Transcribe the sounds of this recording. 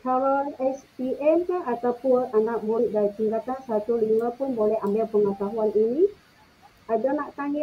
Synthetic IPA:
kalɔnɛspiʔɛnkaat̪awpʊnanaʔ̚muɾiʔ̚daɾit̪iŋkat̪ansat̪uliməpʊnbolɛhambɪlpəŋət̪aɦuanini | adanaʔt̪aŋi

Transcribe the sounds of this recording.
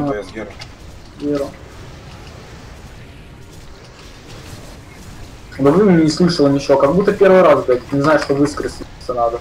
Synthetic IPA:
ɡʲeɾə | b̪əvɨmʲenʲnʲɪslˠɨʂəlˠənʲɪt͡ɕɪokɐɡ̚but̪ːəpʲe̞ɾvɨjɾazvbʲetʲt̪nʲɪznajɪʂt̪ovɨskɾəsʲsənad̪ə

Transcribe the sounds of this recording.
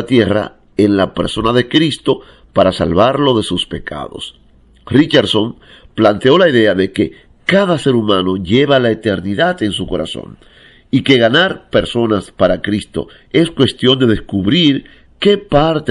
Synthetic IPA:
at̪je̞ra̰ | enlape̞ɾso̞naðe̞kɾist̪o̞ | paɾasa̰lβaɾlo̞ðe̞suspe̞kʰa̰ðo̞̰s | rit͡ʃeɾsom | plant̪eo̞laiðe̞aðe̞ke̞ | kaðase̞ɾumãno̞ʝe̞βalaet̪e̞ɾniðat̪e̞nsuko̞ɾa̰so̞̰n | ike̞ɣanaɾpe̞ɾso̞naspaɾakɾist̪o̞̰ | e̞skwe̞st̪jo̞nd̪e̞ðe̞skuβɾiɾ | ke̞paɾt̪

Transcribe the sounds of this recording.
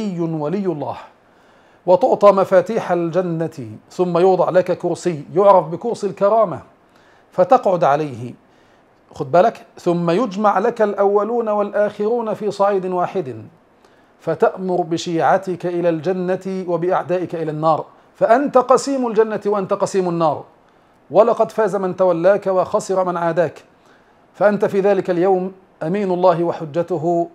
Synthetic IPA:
ɪjːʊnwalɪjːʊlˤːɑ̰ːh | wɑt̪ʊʕt̪ˤɑːmafaːt̪iːħald͡ʒanːat̪θʊmːajʊːd̪ˤɑʕlakakʊɾsijːjʊʕɾˤɑfbɪkʊɾsˤilkɑɾˤɑːma | fat̪ɑqʕʊd̪ʕalajhɪ | xʊd̪̚baːlakθʊmːajʊd͡ʒmaʕlakalʔawːaluːnawalʔaːxɪɾuːnafiːsˤɑʕiːd̪ɪnwaːħɪd̪ | fat̪aʔmʊɾbɪʃiːʕat̪ɪkaʔɪlaːld͡ʒanːat̪ɪwabɪʔaʕd̪aːʔɪkaʔɪlaːnːɑːɾˤ | faʔant̪aqɑsiːmʊld͡ʒanːat̪waʔant̪aqɑsiːmanːɑːɾˤ | walɑqɑd̪faːzamɪnt̪awalːaːkawɑxɑsˤɨɾɑmanʕaːd̪aːk | faʔant̪afiːðaːlɪkaljawm | ʔamiːnʊlˤːɑːɦɪwaħʊd͡ʒːat̪ʊɦ

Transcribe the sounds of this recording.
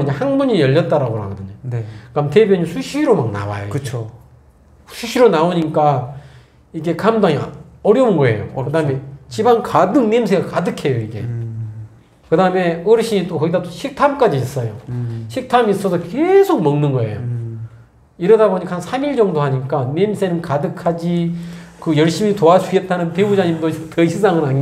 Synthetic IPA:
ɲahanbuɲijʌʎːʌt̚t͈aɾaɡoɾɦa̰ɡʌdɯɲonekamete̞bjʌɲisʰuɕʰiɾomaŋna̰wa̰jo̰ɯo | sʰuɕʰiɾonaoɲik͈a | iɡe̞kamdaŋḭʌɾjʌunɡʌe̞̰jokɯdame̞t͡ɕibankadɯŋnems̬ʰeɡakadɯkʰe̞joiɡe̞̰ | kɯdame̞ɯɾɕ͈ʰiɲit͈okʌɡidatoɕʰik̚tʰamk͈ad͡ʑiːs͈ʌjoɕʰik̚tʰamis͈ʌsʰʌkesʰok̚mʌŋnɯnɡʌe̞̰jo̰ | iɾʌdaboɲikhansʰamiɭd͡ʑʌŋdoɦaɲik͈anemsʰe̞nɯnkadɯkʰad͡ʑikɯjʌɭɕ͈imitoad͡ʑuet͈anɯnteud͡ʑaɲimdotʌɕʰisʰaŋɯɾa

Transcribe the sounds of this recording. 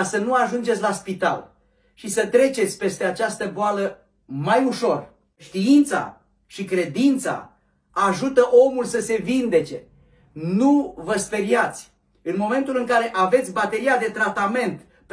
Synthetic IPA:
sənuaʒund͡ʒet̪sʲlaspit̪a̰l | ʃisət̪ɾe̞t͡ʃe̞t̪sʲpe̞st̪e̞at͡ʃast̪əboalə | majuʃo̞r | ʃt̪iint̪sa̰ | ʃikɾe̞d̪int̪sa̰ | aʒut̪əʔo̞mulsəse̞vind̪e̞t͡ʃe̞ | nuvəspe̞ɾiat̪sʲ | ɨnmo̞me̞nt̪ulɨŋkaɾe̞ʔave̞t̪sʲbat̪e̞ɾiad̪e̞t̪ɾat̪ame̞nt̪ | p

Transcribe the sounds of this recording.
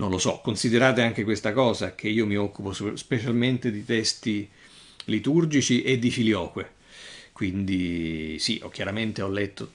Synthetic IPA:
nonlosɔ̰kːonsid̪eɾaːt̪eaŋk̟ekwest̪akɔːzak̟eiːomiɔkːuposspet͡ʃalment̪ed̪it̪ɛst̪i | lit̪urd͡ʒit͡ʃiʔed̪ːifiljɔːkwe | kwind̪isiʔɔ̰kːjaɾament̪eɔlːɛt̪ːo

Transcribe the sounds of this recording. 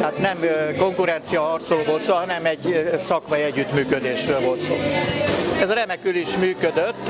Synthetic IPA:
ɛaːt̪nɛmko̞ŋkuɾɛnt̪sijɒhɒrt̪soloːvo̞lt̪soːɦɒnɛmɛɟsɒkmɒjiɛɟːyt̪myːkød̪eːʃrøːlvo̞lt̪soː | ɛzɒɾɛmɛkyliʃmyːkød̪øt̪ː

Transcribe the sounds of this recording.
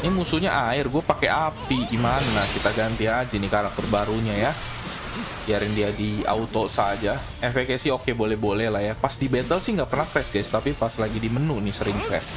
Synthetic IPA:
nɪmusuɲaʔaɪrɡuapakeʔapiɡimanakit̪aɡant̪iad͡ʒinikaɾak̚t̪ʊrbaɾuɲaja | iaɾɪndiadia̰ut̪osad͡ʒa | ɛfɛkɛsɪhokebolɛhbolɛhlahjapasdibet̪əlsɪhŋɡapərnahkɾɛsɡajst̪apipaslaɡidimənunɪsəɾɪŋkɾɛs

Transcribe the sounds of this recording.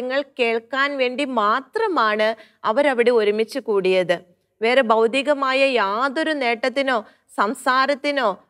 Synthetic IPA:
ɐŋːɐɭke̞ːɭkːaːnʋe̞ːɳɖimaːt̪rɐmaːɳɨ | ɐʋɐɾɐʋiɽeo̞ɾumit͡ɕːukuːɽijɐðɨ | ʋe̞ːre̞bɐwd̪iɣɐmaːjɐjaːðo̞ɾune̞ːʈːɐt̪ːino̞ː | sɐmsaːɾɐt̪ːino̞ː

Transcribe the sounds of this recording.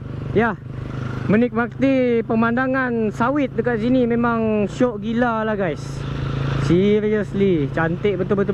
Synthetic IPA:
ja | mənɪk̚bak̚t̪ipəmandaŋansawɪt̪̚dəkat̪̚sinimemaŋʃɔʔɡilalahɡajs | siɾiəslit͡ʃant̪eʔ̚bət̪ʊlbət̪̬u

